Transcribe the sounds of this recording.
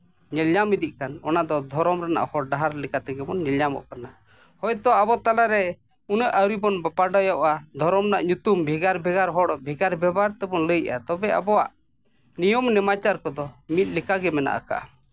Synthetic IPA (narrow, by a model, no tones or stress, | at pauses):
ɲɛlɲamid̪iʔ̚kanɔ̰nad̪ɔd̪ʱɔɾɔmɾana̰ʔhɔɽɖaɦaɾlɛkat̪ɛɡɛmɔnɲɛlɲamɔ̰ʔkana | hɔjt̪ɔʔabɔt̪alaɾɛ | unəʔəɾibɔnbapaɖɔjɔʔad̪ʱɔɾɔmnaʔɲut̪umbʱɛɡaɾbʱɛɡaɾɦɔɽɔbʱɛɡaɾbɛbaɾt̪ɛbɔnləjʔa̰t̪ɔbɛʔa̰bɔwa̰ʔ | nijɔmnɛmat͡ʃaɾkɔd̪ɔmit̪̚ˀlikaɡɛmɛna̰ʔa̰ka̰ʔa̰